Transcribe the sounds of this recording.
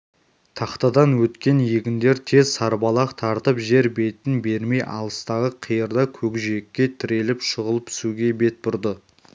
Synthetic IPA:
t̪ʰɑqt̪ɑd̪ɑnwɵt̪kʲe̞njeɡʲɪnd̪e̞ɾt̪ʰe̞zsɑɾbɑlˠɑqt̪ʰɑɾt̪əpʒe̞ɾbe̞t̪ɪnbe̞ɾme̞jʔɑ̰lˠəst̪ɑʁəqʰijəɾd̪ɑkʲʰɵɡʒiekʲːe̞t̪ʰɪɾe̞lɪpʃəʁəlˠəp̚t̪ʰɪ̥suɡʲe̞be̞t̪̚bʊɾd̪ə

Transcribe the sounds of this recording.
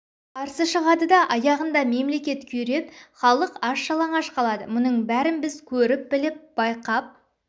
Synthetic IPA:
qʰɑɾsəʃəʁɑd̪əd̪ɑʔɑjɑʁənd̪ɑme̞mle̞kʲe̞t̪kʲʰɵɾe̞pχɑlˠəqɑʃːɑlˠɑɴɑʃqɑlˠɑd̪əmʊnəɴbæɾɪnbɪzkʲʰɵɾɪp̚bɪlɪp̚b̥ɑjqɑp̚

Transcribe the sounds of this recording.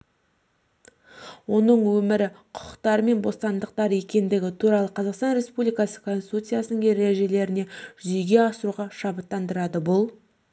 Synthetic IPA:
wo̞nəɴwɵmɪɾɪqʰʊ̥qə̥qt̪ɑɾme̞nbo̞st̪ɑnd̪əq̚t̪ɑɾje̞kʲe̞nd̪ɪɡʲɪt̪ʰuɾɑlˠəqʰɑzɑqst̪ɑnɾe̞spublijkɑsə̥kʰo̞nsi̥t̪ut̪sɨjasənəɴje̞ɾeʒe̞le̞ɾɪne̞ʒ̥ʏze̞jɡʲe̞ɑsəɾuʁɑʃɑbət̪ːɑnd̪əɾɑd̪əbʊlˠ

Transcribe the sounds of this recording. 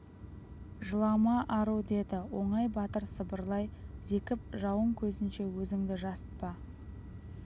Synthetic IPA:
ʒəlˠɑmɑʔɑɾuwd̪e̞d̪ɪwo̞̰ɴɑjbɑt̪əɾsəbəɾlˠɑjze̞kʲɪp̚ʒɑwəɴkʲʰɵzɪnʃe̞wɵzɪŋd̪ɪʒɑsə̥t̪̚pɑ

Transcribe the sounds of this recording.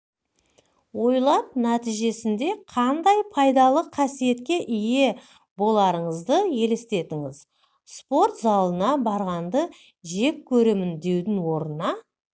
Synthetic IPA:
wo̞jlˠɑp̚næt̪ijʒe̞sɪnd̪e̞qʰɑnd̪ɑjpʰɑjd̪ɑlˠəqʰɑsije̞t̪kʲe̞ʔɪje̞ | bo̞lˠɑɾəɴəzd̪əje̞lest̪e̞t̪ɪŋɪz | spo̞ɾt̪zɑlˠənɑbɑɾʁɑnd̪ə | ʒe̞kʲʰːɵɾemɪnd̪e̞wd̪ɪŋwo̞ɾənɑ

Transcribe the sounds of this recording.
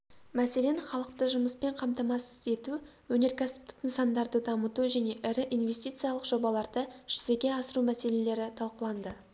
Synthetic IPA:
mæse̞le̞nχɑlˠəq̚t̪əʒʊməspe̞ɴqʰɑmt̪ɑmɑsɪ̥ze̞t̪u | wɵne̞ɾkʲasɪ̥p̚t̪ɪ̥kɪnsɑnd̪ɑɾd̪əd̪ɑmət̪uʒæne̞ʔɪɾɪʔinve̞st̪ijt̪sɨjɑlˠəqʒo̞bɑlˠɑɾd̪əʒ̥ʏze̞ɡʲe̞ɑsəɾumæse̞le̞le̞ɾɪt̪ʰɑlˠqəlˠɑnd̪ə

